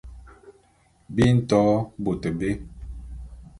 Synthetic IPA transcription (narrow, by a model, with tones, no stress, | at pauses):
bi˦n̩˦tɔ˨˦bo˨tə˨be˦